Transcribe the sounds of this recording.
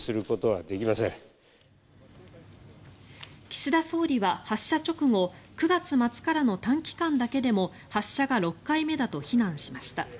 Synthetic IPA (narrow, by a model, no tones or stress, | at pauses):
sɨɾɯ̟ko̞t̪o̞βa̰d̪e̞kʲimasḛ̃ŋ | kʲi̥ɕid̪aso̞ːɾʲiβahaɕːat͡ɕo̞kɯ̟ŋo̞kɯ̟ɡat͡sɨmat͡sɨ̥kaɾano̞t̪ãŋkʲi̥kãnd̪ake̞d̪e̞mo̞ | haɕːaɡaɾo̞kːaime̞d̪at̪o̞çinãɰ̃ɕimaɕi̥t̪a